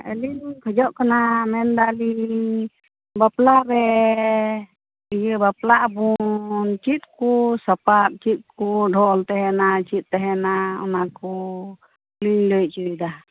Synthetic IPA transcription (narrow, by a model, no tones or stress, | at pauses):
ɛ̰lilkʰəd͡ʒɔʔkanamɛnd̪ali | baplaɾɛ | ijɛbaplaʔbunt͡ʃit̪̚kɔsapat̪̚t͡ʃit̪̚ˀkuɖʱɔlt̪ɛɦɛnat͡ʃit̪̚ˀːɛɦɛnaɔ̰nakɔ | liɲlɔj̚t͡ʃuid̪a